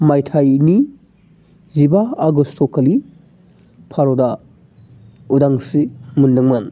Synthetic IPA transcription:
majtʰajni | zibaːɡustʰokʰɐli | pʰaɾoda | udaŋsimundɯŋmɐn

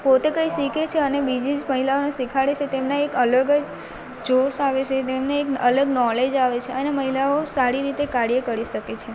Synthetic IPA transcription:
pot̪ekə̃iʃiket͡ʃʰeənebid͡ʒid͡ʒməɦilaonesikʰaɽet͡ʃʰet̪emnaekələɡəd͡ʒ | d͡ʒosaʋet͡ʃʰet̪emneekələɡnɔled͡ʒaʋet͡ʃʰeəneməɦilaosaɾiɾit̪ekaɽijekəɾiʃəket͡ʃʰe

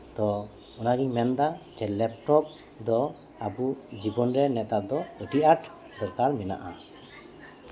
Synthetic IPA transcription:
t̪ɔ | ɔnaɡiɲmɛnd̪ad͡ʒɛlɛp̚ʈɔp̚ | d̪ɔ | abud͡ʒibɔnɾɛnɛt̪ad̪ɔəʈiʔaʈ | d̪ɔɾkaɾmɛna̰ʔa

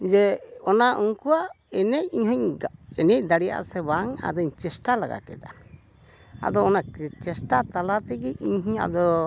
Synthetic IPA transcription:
d͡ʒɛɔnaʔuŋkuwaʔ | ɛnɛc̚iɲhɔɲɛnɛc̚d̪aɽija̰ʔsɛbaŋa̰d̪ɔiɲt͡ʃɛsʈalaɡa̰kɛ̰d̪a | a̰d̪ɔːnakɛt͡ʃɛsʈat̪alat̪ɛɡɛiɲɦiɲa̰d̪ɔ

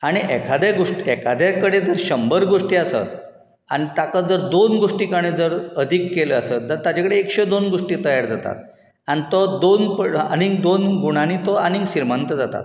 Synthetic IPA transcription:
aɽ̃iʔɛkʰad̪aɡoʂʈiɛkʰad̪akəɽed͡zəɾɕəmbəɾɡoʂʈiːasə̰t̪̚ | añit̪akad͡zəɾd̪onɡoʂʈiːkaɽ̃ed͡zəɾəd̪ʱikːeləasət̪̚d͡zəɾt̪ad͡ʑakəɽeːkɕed̪onɡoʂʈiːt̪əjaɾd͡zat̪a̰t̪̚ | añit̪ɔd̪onpəa̰ñiŋɡd̪onɡuɽ̃anit̪ɔanĩɡɕiɾmənt̪əd͡zat̪a̰t̪

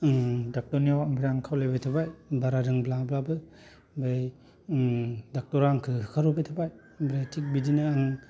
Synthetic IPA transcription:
dak̚tɔniawaŋbiɾaŋkʰawlejbejtʰabajbaɾaɾɯŋblablabɯ | baj | dak̚tɔɾaŋkʰɯɦɯkʰaɾɔbejtʰabaj | bɾajtʰik̚bidinɯaŋ

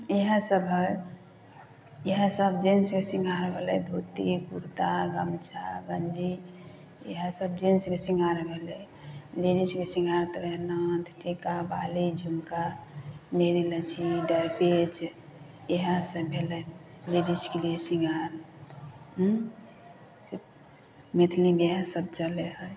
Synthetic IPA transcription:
eɦə̃səbʱə | eɦə̃səbd͡ʒensmesiŋɡʱaɾbʱelɛ̰d̪ʱut̪ikṵɾt̪aɡəmt͡ʃʰaɡənd͡ʒi | ḛɦə̃səbd͡ʒinsmesiŋɡʱaɾbʱelɛ | liɾiskesiŋɡʱaɾt̪əɾenat̪ʰʈʰikabalid͡ʒʱumka | meɾilət͡ʃʰiɖəɾpet͡ʃ | eɦasəbʱelɛ | liɖiskeliesiŋɡʱaɾ | ɦ | si | mit̪ʰlibeɦãsəb̚t͡ʃəleɦəj

